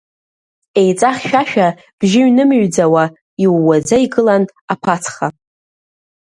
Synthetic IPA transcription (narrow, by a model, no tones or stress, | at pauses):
e̞jt͡sʼaχʲʃᶣaʃᶣa | b̥ʒɪɥnɨmɥd͡zawa | iwːad͡zaiɡɨlan | apʰat͡sʰχa